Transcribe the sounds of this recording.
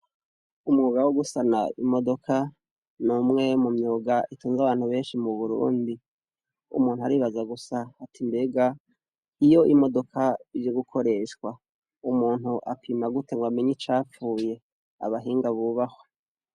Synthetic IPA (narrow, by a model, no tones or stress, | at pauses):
umŋuːɡawoɡusanaimo̞do̞kʰa | numŋe̞mumɲoːɡaituːnzaβaːn̥huβe̞ːnʃimuβuɾṵːndi | ṵmuːn̥huaɾiːβazaɡusaːtʰimbe̞ːɡa | ijo̞ʔimo̞do̞kʰaid͡ʒeɡukʰo̞ɾe̞ʃkwa | umuːn̥huʔapʰiːmaɡuteŋɡwameɲit͡ʃaːp͡fuːje̞ | a̰βaɦiːŋɡaβuβaho̞